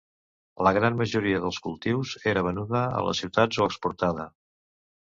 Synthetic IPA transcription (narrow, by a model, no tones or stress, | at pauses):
ləɣɾanməʒuɾiəðəlˠskulˠt̪iwzeɾəβənuðəə̰lə̰siwt̪ad͡zzoəkspuɾt̪aðə